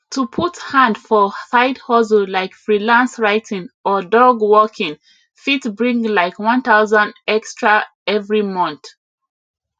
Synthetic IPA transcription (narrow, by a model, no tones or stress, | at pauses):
tʰupʰuthãndfɔsaɪdhɔzəllaɪkfɹilãnsɹaɪtʰĩŋɔdɔɡwɔkʰĩŋ | fitbɹĩŋɡlaɪkwʌ̃nθaʊzə̃ndɛkstɹa | ɛvɹimʌ̃nθ